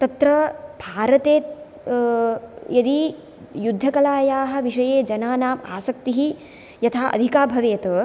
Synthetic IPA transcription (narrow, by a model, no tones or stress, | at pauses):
t̪ɐt̪ɾɐbʱaːɾɐt̪eːt̪ | jɐd̪i | jud̪ʱːɐkɐlaːjaːɦɐ̆ʋiʂɐjeːd͡ʒɐnaːnaːma̰ːsɐkt̪iɦi | jɐt̪ʰaːʔɐ̰d̪ʱikaːbʱɐʋeːt̪ɐ